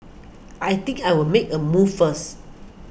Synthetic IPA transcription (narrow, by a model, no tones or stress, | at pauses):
ʔajt̪ɪ̃ŋkajwɪlmekəmuvfəs